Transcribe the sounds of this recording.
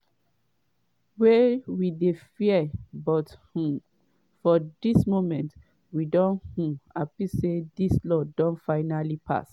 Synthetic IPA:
wewidefiɛbɔthũ | fɔdismomɛ̃nt | widɔ̃nhũapisedislɔdɔ̃nfaɪnalipʰa̰s

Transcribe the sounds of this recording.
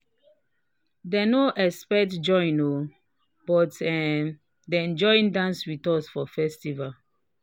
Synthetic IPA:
dɛnoʔɛspɛtd͡ʒɔ̃j̃no | bɔtɛm | dɛɛ̃nd͡ʒɔĩndãnswitɔsfɔfɛstival

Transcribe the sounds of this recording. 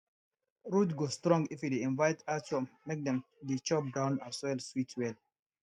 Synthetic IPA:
ɹudɡostɹɔ̃ŋɡifjudeĩnvaɪtatmmek̚dɛ̃mdet͡ʃɔp̚dãʊ̃naswɛlswitʰwɛl

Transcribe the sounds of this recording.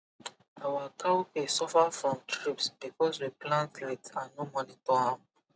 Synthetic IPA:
awakʰakesɔfafɹɔ̃mtʰɹipsb̥ikɔswiplãntlɛtãnːomɔnitɔã

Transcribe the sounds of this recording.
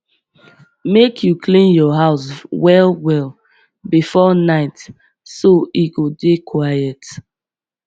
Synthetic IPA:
mekʰjukʰlĩnjɔɦaʊswɛlwɛl | bifɔnaɪt | soiɡodekʰwajɛt

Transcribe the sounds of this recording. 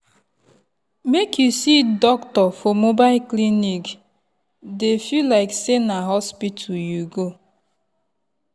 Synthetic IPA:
mekjusidɔktɔfomobaɪlklinik | defilaɪksenaɦɔspitʰujuɡo

